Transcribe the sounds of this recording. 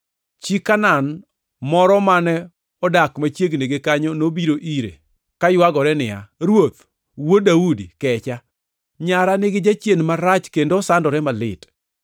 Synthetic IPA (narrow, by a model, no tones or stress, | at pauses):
t͡ʃikːanan | mɔɾɔmanɛ | ɔdakmat͡ʃjeɡneɡekaɲɔnobiɾoʔiɾḛ | kajwaɡɔɾɛnɪa̰ɾwot̪ | wodaudikɛt͡ʃa | ɲaɾanɪɡɪd͡ʒat͡ʃjenmaɾat͡ʃkendosandɔɾɛmalɪt